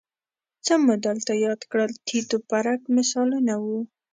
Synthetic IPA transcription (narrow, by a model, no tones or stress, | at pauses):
t͡səmʊd̪əlt̪ajɑd̪kɽəlt̪ʰit̪opaɾakmɪsɑlunawu